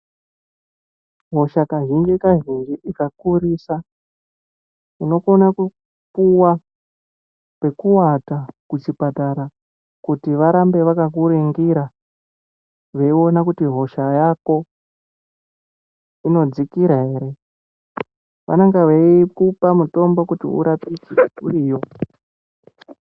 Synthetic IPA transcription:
ɦo̞ʃakaʒind͡ʒikaʒind͡ʒiʔikakuɾisa | kuno̞konaku | puwa | pe̞kuwatakut͡ʃipataɾa | kutiʋaɾambe̞ʋakak̬uɾiŋɡiɾa | ʋe̞io̞nakutiɦo̞ʃajako̞ | ino̞d͡zikiɾaɦe̞ɾe̞ | ʋa̰naŋɡaʋeikupamuto̞mbo̞kutḭṵɾapid͡ziṵriːjo̞

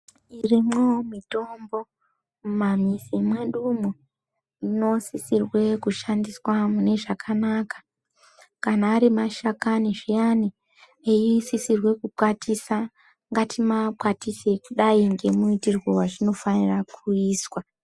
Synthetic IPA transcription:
irimwoomito̞mbo̞ | mamisimwe̞ɗumu | ino̞sisirwe̞kuʃandiswamune̞ʐakʰanaːkḁ | kanaːɾimaʃakaniʐijani | ejisisirwe̞kupwatisa | ŋɡatʰimapwatise̞kuɗaiŋɡe̞muitirwowaʐino̞fanirakʰuiːswa

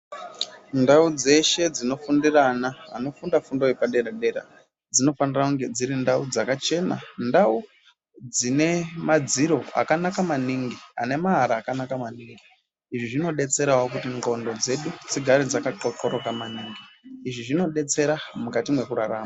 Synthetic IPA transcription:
ndaud͡ze̞ʃe̞d͡zino̞fundiranaɦa̰no̞fundafundojepaɗe̞ɾaɗe̞ɾa̰ | d͡zino̞fandirakuŋɡe̞d͡ziɾindaud͡zakat͡ʃe̞na̰ndau | d͡zine̞mad͡ziɾo̞a̰kanakamaniŋɡia̰ne̞maɦaɾaːkanakamaniːŋɡi | iʐiʐino̞ɗe̞t͡se̞ɾawok̬utiŋɡo̞ndo̞d͡ze̞ɗut͡siɡʱaɾid͡zakaǃokoɾokamaniːŋɡiːʐiʐino̞ɗe̞t͡se̞ɾamukatimwe̞kuraraːma

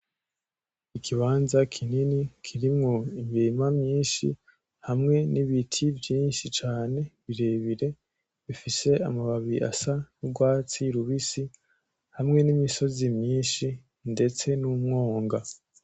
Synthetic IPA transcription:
ikʰiβaːnzakʰininikʰiɾimŋo̞imiimamɲiːnʃḭ | hamŋe̞niβitʰivjiːnʃit͡ʃaːne̞βiɾe̞βiɾe̞ | βifise̞a̰maβaβiɾḭʔa̰sanuɡwaːt͡siɾuβisi | hamŋe̞nimiso̞zimɲiːnʃi | nde̞t͡se̞numŋo̞ːŋɡa

